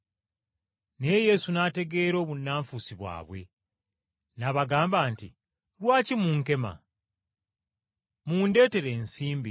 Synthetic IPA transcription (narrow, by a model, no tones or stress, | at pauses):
ne̞je̞sunaːte̞ɡe̞ɾo̞ːβunːaːɱfusiβwa̰ːβwe̞̰ | naβaɡaːmbaːnti | lwaːcimuːŋke̞ma̰ | muːnde̞ːte̞ɾe̞ːnsiːmbi